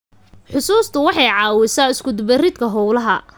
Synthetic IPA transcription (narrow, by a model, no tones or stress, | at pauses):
ħʊsuːst̪ʰʊwɑħɑjʕɑːwɪsaːɪskʰʊd̪bɛrɪd̪kʰɐɦɔwlɐɦɐ